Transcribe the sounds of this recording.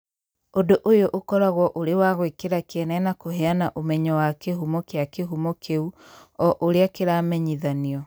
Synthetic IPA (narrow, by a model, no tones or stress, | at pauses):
odoʔojoʔokɔɾaɣwɔʔoɾewaɣwekeɾakeɛnɛnakoɦeanaʔomɛɲɔwakeɦumɔkeakeɦumɔkʰeu | ɔʔoɾeakeɾaːmɛɲiðaniɔ